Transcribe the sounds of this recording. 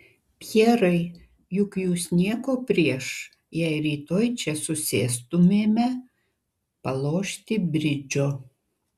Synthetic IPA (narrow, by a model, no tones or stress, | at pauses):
pʲjɛːɾɐɪ | jʊkjuːsnʲiɛkoːpʲɾʲiɛʃ | jɛɪɾʲiːt̪oːjt͡ʃʲɛsʊsʲeːst̪ʊmʲeːmʲɛ | pɐlˠoːʃʲt̪ʲɪbʲɾʲɪd͡ʒʲoː